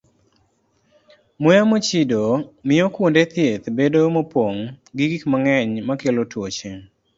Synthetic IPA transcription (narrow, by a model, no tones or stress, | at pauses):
mojamot͡ʃidomɪokwndet̪jet̪bedomopwoŋɡiɡikmaŋɛɲmakelotwot͡ʃe